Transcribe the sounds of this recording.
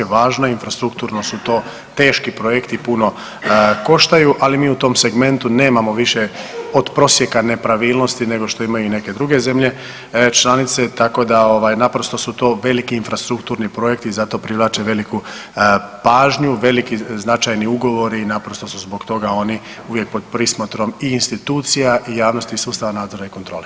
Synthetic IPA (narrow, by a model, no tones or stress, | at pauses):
eʋaːʒnoinfɾast̪ɾukt̪uːɾnosut̪o̞ː | t̪e̞ːʃkipɾojekt̪ipuno̞ | ko̞ʃt̪ajuʔalimiːut̪o̞ːmse̞ɡme̞nt̪une̞ːmamo̞ʋiʃeo̞d̪pɾo̞sje̞kane̞pɾaʋiːlˠnost̪ine̞ɡo̞ʃt̪o̞imajuine̞ke̞d̪ɾuɡe̞ze̞mʎe̞ | t͡ʃlˠanit̪se̞t̪ako̞d̪ao̞ʋajnapɾost̪o̞sut̪o̞ːʋe̞likiːnfɾast̪ɾukt̪uːɾnipɾo̞jekt̪iːzat̪o̞pɾiʋlˠaːt͡ʃeʋe̞liku | paːʒɲuʋe̞likiznat͡ʃajniuɡo̞ʋo̞ɾiːnapɾost̪o̞suzboɡt̪o̞ɡao̞ni | uʋje̞k̚po̞d̪̚pɾismot̪ɾo̞miːnst̪it̪uːt̪sijaʔijaːʋno̞st̪isuːst̪aʋanaːd̪zo̞ɾaikot̪ɾoːle